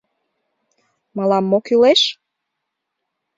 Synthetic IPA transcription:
məlɑmːokyleʃ

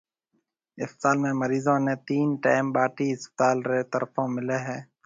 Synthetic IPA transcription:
ɪst̪aːlmẽːməɾiːzõːneːt̪iːnʈaːɪmbaːʈiːɪspt̪aːlɾeːt̪əɾfõːmɪleːɦɛ̃ː

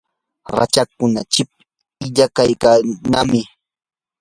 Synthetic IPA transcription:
ɾa̰t͡ʃakʊnat͡ʃɪp̚ | ɪʎakajkanamɪ

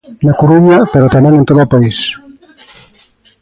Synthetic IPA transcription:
nakoɾuɲɐpeɾot̪amẽŋẽnt̪oðoːpais

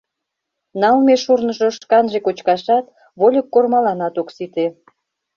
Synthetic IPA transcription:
nɑlmeʃurnə̆ʒoʃkɑnʒekot͡ɕkɑʃɑt̪ | βolʲəkːormɑlɑnɑt̪oksit̪e

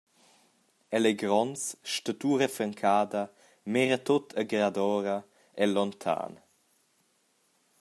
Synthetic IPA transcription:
ɛlɛɡɾɔnsʃtət̪uːɾəfɾəŋkʰaːd̪ɐ | mɛɾət̪ot̪ʰəɡɾad̪ɔːɾə | ɛlɔnt̪ʰa̰ːn

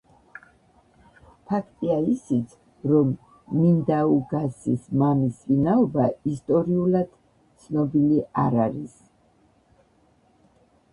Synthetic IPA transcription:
pʰakʰt̪ʼiaisit̪sʰ | ɾɔmː | ind̪auɡasismamisvinaɔbaist̪ʼɔɾiulad̪̥ | tt̪sʰnɔbiliaɾaɾis

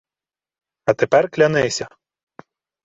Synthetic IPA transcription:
ɐt̪epɛrklʲɐnɪsʲɐ

